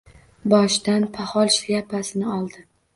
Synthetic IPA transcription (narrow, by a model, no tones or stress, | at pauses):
bɒʃd̪anpʰahɒlˠʃjapʰasɪnɪɒlˠd̪ɪ